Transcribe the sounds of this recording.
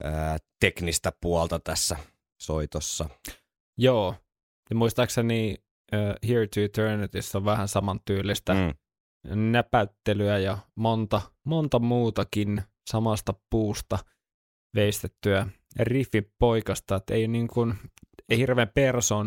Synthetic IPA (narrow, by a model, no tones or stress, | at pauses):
ət̪eknist̪æpuɔlt̪ɑt̪æsːæ | soit̪osːɑ | joː | emuist̪ɑkseni | øːhiɹt̪uit̪øːnit̪isːoʋʋæhænsɑmɑnt̪yːlːist̪æ | næpæt̪ːelyæjɑmont̪ɑmont̪ɑmuːt̪ɑkin | sɑmɑst̪ɑpuːst̪ɑ | ʋeist̪et̪ːyæ | rifːippoikɑst̪ɑet̪ːḛijoniŋkunehirʋeːmpersoːn